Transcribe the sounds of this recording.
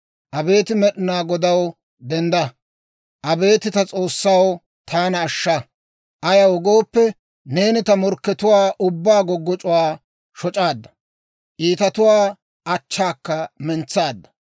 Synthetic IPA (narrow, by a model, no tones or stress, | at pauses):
ʔɐbe̞ːt̪ɪmɛɗɪnaːɡɔd̪ɐw | d̪ɛnd̪ɐ | ʔɐbe̞ːt̪ɪt̪ɐt͡sʼo̞ːsːɐw | t̪ʰaːnɐːʃːɐ | ʔɐjɐwɔɡo̞ːpːɛ | ne̞ːnɪt̪ɐmɔɾkːɛt̪ʊwaːʔʊbːaːɡɔɡːɔt͡ʃʼʊwaː | ʃɔt͡ʃʼaːd̪ːɐ̥ | ʔiːt̪ɐt̪ʊwaː | ʔɐt͡ʃːaːkːɐmɛnt͡sːaːd̪ːɐ̥